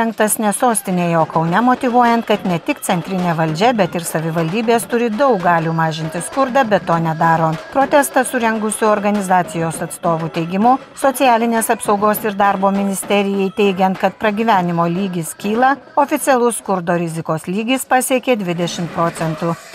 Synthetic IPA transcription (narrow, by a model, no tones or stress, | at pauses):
ɛŋk̚t̪ɐsnʲɛsoːsʲt̪ʲɪnʲeːjoːkɒʊnʲɛmot̪ʲɪʋuɔjɛnt̪kɐt̪nʲɛt̪ʲɪkt̪sʲɛnʲt̪ʲɾʲɪnʲeːʋɐlʲd͡ʒʲɛbʲɛt̪ɪɾsɐʋʲɪʋɐlʲd̪ʲiːbʲeːst̪ʊɾʲɪd̪ɒʊk̚ɡɑːlʲuːmɑːʒʲɪnʲt̪ʲɪskʊɾd̪ɑbʲɛt̪ːoːnʲɛd̪ɑːɾoːpɾoːt̪ʲɛst̪ɐsʊɾʲɛŋɡʊsʲʊɔːɾɡɐnʲɪzɑːt̪sʲɪjoːsɐt̪st̪oːʋuːt̪ʲɛɪɡʲɪmʊ | soːtsʲɪjæːlʲɪnʲeːsɐpsɒʊɡoːsɪɾd̪ɑɾboːmʲɪnʲɪsʲt̪ʲɛɾʲɪjɛɪt̪ʲɛɪɡʲɛnt̪kɐt̪pɾɐɡʲiːʋʲæːnʲɪmoːlʲiːɡʲɪskʲiːlˠɐ | oːfʲɪt̪sʲɪɛlˠʊskʊɾd̪oːɾʲɪzʲɪkoːslʲiːɡʲɪspɑːsʲiɛkʲeːd̪ʲʋʲɪd̪ʲɛʃʲɪmt̪̚pɾoːsʲɛnt̪uː